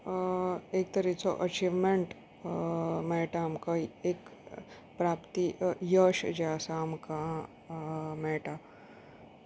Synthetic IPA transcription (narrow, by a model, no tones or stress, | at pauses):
eːk̚t̪əɾit͡soʔɐt͡ʃiʋmẽɳʈ | mɛːʈamkaeːk | pɾaːpt̪ijəʃd͡ʒaːsamka | mɛʈa